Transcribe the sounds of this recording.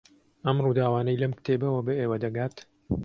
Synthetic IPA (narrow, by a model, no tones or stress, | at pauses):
ɐmruːd̪aːwaːnɐjlɐmkt̪ʰeːbɐwɐbɐeːwɐd̪ɐɡaːt̪